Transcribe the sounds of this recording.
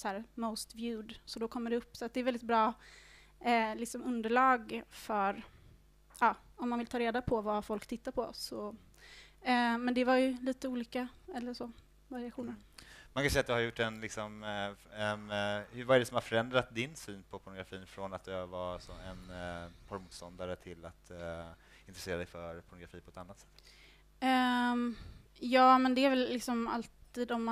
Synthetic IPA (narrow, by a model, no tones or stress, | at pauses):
sæːɾmoʊst̪vjʉːd̪sɔd̪ɔkʰɔmːəɖɛɵpːsɔat̪̚d̪ɛɾvɛld̪ɪt̪bɾɑː | lɪksɔmɵnd̪əɭɑːɡfœɾ | ɑː | ɔmːanvɪlt̪ʰɑːɾeːd̪apʰɔvafɔlkt̪ʰɪt̪ːaɾpʰɔsɔ | mɛnd̪ɛvaɾjɵliːt̪əuːliːkaɛlːəʂɔ | vaɾɪaɧuːnəɾmankʰansɛjːat̪jahaɾjʊʈːɛnlɪksɔmɛnhɵvaæɖɛsɔmhaɾfœɾɛnd̪ɾat̪̚d̪ɪnsyːnpʰɔpʰʊɳʊɡɾafiːnfɾɔnat̪̚d̪ɵvɑsɔɛnpʰɔɾmuːt̪st̪ɔnd̪aɾət̪ʰɪlːat̪ | ɪnt̪ɾɛseːɾad̪ɛjfœɾpʰɔɳʊɡɾafiːpʰɔɛt̪anːat̪sɛ̥t̪ː | ɛ | jɑːmɛnd̪ɛæɾvɛlːɪksɔma̰lt̪iːd̪ɔmːa